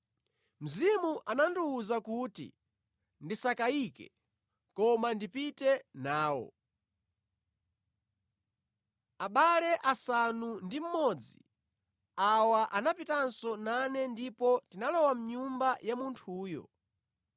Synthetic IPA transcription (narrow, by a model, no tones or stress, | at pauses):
m̩zimuʔananduːzakutḭ | ndisakaikɛ̰ | kɔmandipitɛnaːwɔ̰ | aɓalɛʔasanundim̩mɔd͡zi | awaʔanapitansɔnanɛndipɔtinalɔwam̩ɲumbajamuntʰuːjɔ̰